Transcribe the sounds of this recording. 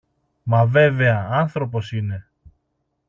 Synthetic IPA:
mɐve̞ve̞ɐɐnθɾo̞p̬o̞sine̞

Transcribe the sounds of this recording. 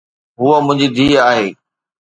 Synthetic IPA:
ɦuːəmʊ̃ɦɪ̃ɲd͡ʑiːd̪ʱiːaːɦeː

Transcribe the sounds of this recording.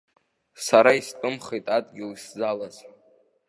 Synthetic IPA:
saɾaistʼɨmχejtʼadʼɡʲɪliszalaz

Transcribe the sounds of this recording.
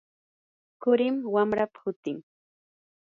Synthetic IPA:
kʊɾɪmwamɾapḁhʊt̪ɪŋ

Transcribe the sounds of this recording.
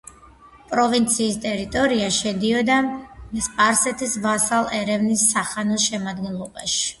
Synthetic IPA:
pʼɾɔvint̪sʰiːst̪ʼɛɾit̪ʼɔɾiaʃɛd̪iɔd̪aspʼaɾsɛt̪ʰisvasalˠɛɾɛvnisːaχanɔʃɛmad̪ɡɛnlˠɔbaʃi̥

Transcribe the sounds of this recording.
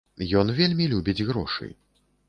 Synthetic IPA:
jɔnvʲelʲmʲilʲubʲid͡zʲɣɾɔ̰ʂɨ̰j

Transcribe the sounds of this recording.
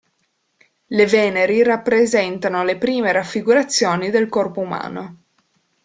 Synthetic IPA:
levɛːneɾirapːɾezɛnt̪anolepɾiːmeɾafːiɡuɾat̪sːjoːnid̪elkɔrpouma̰ːno

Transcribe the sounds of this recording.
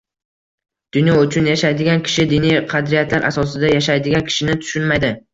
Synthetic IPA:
d̪̥ʊnjɒʊt͡ʃʰʊnjaʃajd̪ɪɡʲankʲʰɪ̥ʃɪd̪ɪniqʰɑd̪ɾijat̪laɾʔa̰sɒs̬ɪd̪ajaʃajd̪ɪɡʲankʲʰɪ̥ʃɪnɪt̪ʰʊ̥ʃʊnmajd̪ɪ

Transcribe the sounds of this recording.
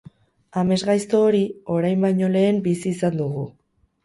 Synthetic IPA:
ame̞zɣajst̪o̞ːɾio̞ɾajmbajɲo̞le̞ːmbisiːsand̪uɣu

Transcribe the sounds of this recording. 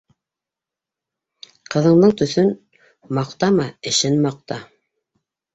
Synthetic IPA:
qɤ̆ðɤ̆ɴd̪ɤɴt̪ɵ̆θɵn | mɑqt̪ɑmɑɘ̆ʃɘnmɑq̚t̪ɑ

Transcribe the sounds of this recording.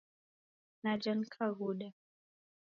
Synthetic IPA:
nad͡ʒankʰaɣuɗa

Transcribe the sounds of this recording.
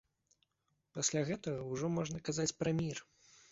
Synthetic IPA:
pasʲlʲaɣɛt̪ɐɣɐuwʐɔmɔʐnɐkazat͡sʲpɾɐmʲir

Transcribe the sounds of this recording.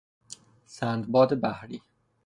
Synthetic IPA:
sænd̪bɒːd̪ebæhɾiː

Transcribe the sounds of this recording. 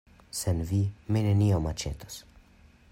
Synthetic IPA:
sɛnvimɛnɛniɔmat͡ʃɛ̰t̪ɔ̥s

